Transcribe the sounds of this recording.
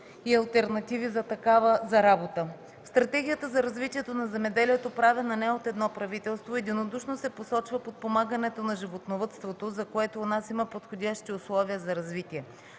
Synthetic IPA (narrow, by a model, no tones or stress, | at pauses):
iɐlˠt̪ɛɾnɐt̪ivizɐt̪ɐkavəzɐɾabot̪ə | st̪ɾɐt̪ɛɡʲijət̪əzɐɾɐzvit̪iɛt̪onɐzɛmɛd̪ɛliɛt̪opɾavʲɐnɐnɛot̪ɛd̪nɔpɾɐvit̪ɛlˠst̪voɛd̪inod̪uʃnosɛposɔt͡ʃvɐpot̪̚pomaɡənɛt̪onɐʒivot̪novət̪st̪vot̪ozɐkoɛt̪oːnasimɐpot̪xodʲjaʃt̪iʊslˠɔviəzɐɾɐzvit̪iɛ